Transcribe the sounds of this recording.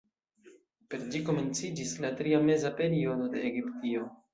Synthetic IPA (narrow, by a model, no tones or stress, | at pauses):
pe̞ɾd͡ʒiko̞me̞nt͡sid͡ʒislatɾiame̞zape̞ɾio̞do̞de̞ːɡiptio̞